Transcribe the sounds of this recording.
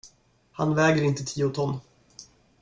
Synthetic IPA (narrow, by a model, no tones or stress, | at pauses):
ha̰nvɛːɡəɾɪnt̪ət̪ʰiːʊt̪ʰɔnː